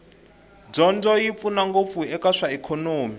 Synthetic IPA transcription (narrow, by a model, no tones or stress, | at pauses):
b͡ʐɔnd͡zɔjip̪funaŋɡop̪fuɛkaʂaɛkʰɔnoːmi